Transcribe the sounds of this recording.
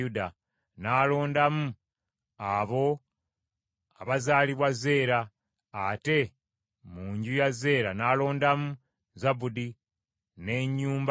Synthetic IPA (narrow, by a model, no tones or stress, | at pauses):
uda | naːlo̞ːndamu | aβo̞ | aβazaːliβwaze̞ːɾaː | te̞ | muːɲɟujaze̞ːɾanalo̞ːndamu | zabudi | ne̞ɲːuːmb